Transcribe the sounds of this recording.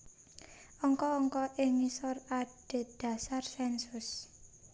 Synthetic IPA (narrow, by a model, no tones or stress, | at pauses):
ɔŋkɔːŋkɔʔɪŋisɔrad̥e̤d̪̥ä̤sarsɛnsʊs